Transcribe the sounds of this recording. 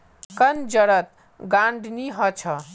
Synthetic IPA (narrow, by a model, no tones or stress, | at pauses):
kʌnd͡ʒʌɾʌt̪̚ | ɡãɳɖniɦʌt͡ʃʰʌ